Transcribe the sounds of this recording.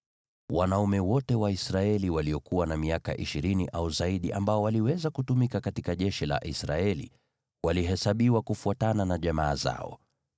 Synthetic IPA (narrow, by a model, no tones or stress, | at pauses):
wanaumɛwɔtɛwaisɾaɛliwaliɔkuwanamiaka̰ʔiʃiɾiniʔauzaiɗiʔambaɔwaliwɛzakutumikakatikaʄɛʃila̰ʔisɾa̰ɛlḭ | waliɦɛsaɓiwakufuatananaʄamaːza̰ɔ̰